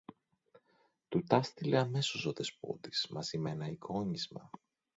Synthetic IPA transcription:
t̪ut̪ɐst̪ileɐme̞so̞so̞ðe̞spo̞̰d̪ismɐsimenɐikʰo̞ɲizmɐ̰

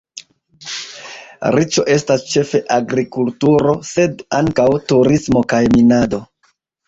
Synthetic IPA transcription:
ɾit͡ʃo̞ʔe̞stast͡ʃe̞fe̞ʔaɡɾikultuɾo̞se̞daŋkawtuɾismo̞kajminado̞

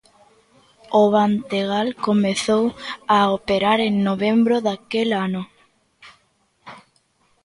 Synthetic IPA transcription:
oβant̪eɣ̞alkomeθowaopeɾaɾeŋnoβ̞ẽmbɾoðakelano

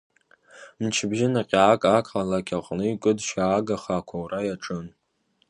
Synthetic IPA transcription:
mt͡ʃʰɪbʒɪnaqʲʼaːkʼakʼalakʲʰʼaqʼnɨɥkʼɨdʃaːɡaχakʷʰawrajaʈ͡ʂʼɨn

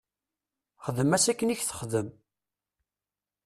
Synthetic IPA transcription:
χəðəmæsækːəniçθə̥χðəm

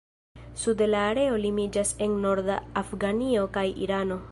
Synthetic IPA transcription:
sudelaːɾe̞o̞limid͡ʒase̞nːo̞ɾdaafɡanio̞kajḭɾano̞

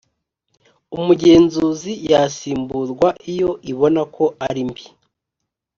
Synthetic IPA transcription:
umuɟe̞ːnzuːzijasiːmbuɾɡwaijo̞iβo̞nakʰo̞aɾimbi

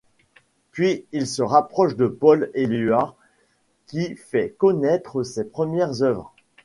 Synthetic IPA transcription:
pɥiilsəʁapχɔʃd̪əpɔlelya | kʲifɛkɔnɛt̪χəsepχəmjɛʁzœvʁ

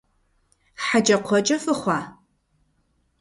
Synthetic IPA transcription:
ħad͡ʒɐqʷʰɔt͡ʃʼɐfɨχʷɑː

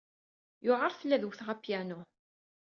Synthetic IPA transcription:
jʊʁəɾˤθəlːæðwθʁæpjænʊ

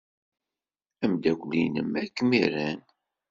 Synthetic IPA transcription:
æmd̪ækʷlinəmækːmiɾæn

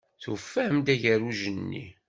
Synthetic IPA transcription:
θṵfːæəmd̪æʝəɾuʒənːḭ

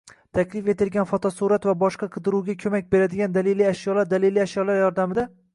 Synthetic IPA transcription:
t̪ʰakʲlɪfe̞t̪ɪlɡʲanfɒt̪ʰɒsuɾat̪vabɒʃqɑqʰɨd̪ɪɾuwɡʲakʲʰɵmak̚ʲbe̞ɾad̪ɪɡʲand̪aleliaʃjɒlaɾd̪aleliaʃjɒlaɾjɒɾd̪amɪd̪a

